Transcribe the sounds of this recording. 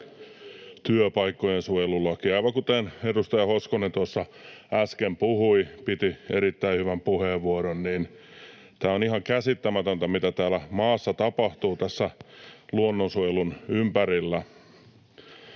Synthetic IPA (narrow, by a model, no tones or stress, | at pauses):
t̪yøpɑikːojensujelulːɑkiɑiʋɑkut̪enedust̪ɑjɑhoskonent̪uosːɑæskempuhuipit̪ieɾit̪ːæihyʋæmpuheʋʋuoɾonniːn | t̪æːonihɑŋkæsit̪ːæmæt̪ønt̪æmit̪æt̪æːlæmɑːsːɑt̪ɑpɑht̪uːt̪æsːæluonːonsujelunympæɾilːæ